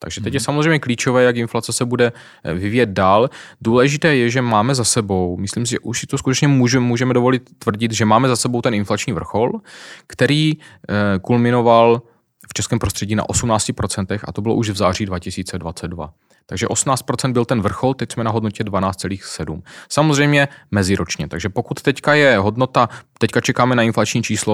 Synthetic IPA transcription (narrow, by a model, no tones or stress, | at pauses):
t̪a̰ɡʒɛt̪ɛcjɛsamozrejmɲɛkliːt͡ʃovɛːjakɪnflat͡sɛsɛbudɛ | vɪviːjɛd̪̚daːlduːlɛʒɪt̪ɛːjɛʒɛmaːmɛzasɛbo̞wmɪsliːms̬ɪʒɛ̰ʔuʃsɪt̪os̬kut̪ɛt͡ʃɲɛmuːʒɛmuːʒɛmɛdovo̞lɪt̪ːvr̩ɟɪt̪ʒɛmaːmɛzasɛbowt̪ɛnɪnflat͡ʃɲiːvr̩xolkt̪ɛɾiː | kulmɪnoval | ft͡ʃɛskɛːmpɾost̪r̝̥ɛɟiːna̰ʔo̞sumnaːt͡scɪpɾo̞t͡sɛnt̪ɛxa̰t̪obɪloʔuʒvzaːr̝iːdvacɪsiːt͡sɛdvat͡sɛd̪̚dva̰ | t̪aɡʒɛʔo̞sumnaːt͡st̪̚pɾo̞t͡sɛnd̪bɪlt̪ɛnvr̩xo̞lt̪ɛcsmɛnaɦodnocɛdvanaːt͡sst̪t͡sɛliːxsɛdumsamozrɛjmɲɛmɛzɪɾot͡ʃɲɛt̪aɡʒɛpo̞kut̪ːɛckajɛɦo̞dno̞t̪at̪ɛckat͡ʃɛkaːmɛnaɪnflat͡ʃɲiːt͡ʃiːslo